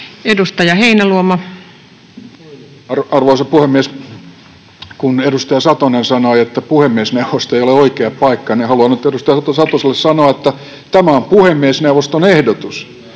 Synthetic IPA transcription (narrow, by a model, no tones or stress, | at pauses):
edust̪ɑjɑheinæluomɑ | rɑrʋoisɑpuhemːies | kuneɾust̪ɑjɑsɑt̪onensɑnoiet̪ːæpuhemːiesneuʋost̪oeijoleoikeɑppɑikːɑnehɑluɑnyt̪edust̪ɑjɑt̪osɑt̪oselːessɑnoɑet̪ːæ | t̪æmæompuhemːiesneuwʋˑost̪onehdot̪us